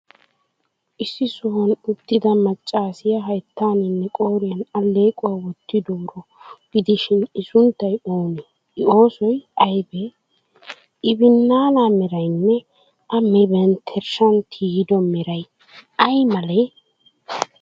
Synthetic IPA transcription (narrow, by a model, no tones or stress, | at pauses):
ʔɪsːɪsʊhɐnʊt̪ːɪd̪ɐmɐt͡ʃʼːaːsɪjɐɦɐjt̪ːaːnɪnːɛkʼo̞ːɾɪjɐnɐle̞ːkʼʊwaːwɔt̪ːɪd̪ɔwɾɔɡ̥ɪd̪ɪʃɪnɪsʊnt̪ːɐjoːnɛ | ɪo̞ːsɔjɐjbɛ | ɪbɪnːaːlaːmɛɾɐjnːɛ | ʔɐmɛbɛnt̪ʰɛɾʃɐnt̪ʰiːd̪ɔmɛɾɐj | ʔɐjmɐlɛ